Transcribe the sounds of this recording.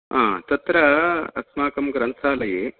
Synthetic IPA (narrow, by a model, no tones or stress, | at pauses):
ãːt̪ɐt̪ɾɐɐ̰smaːkɐmɡɐɾɐnsʰaːlɐjeː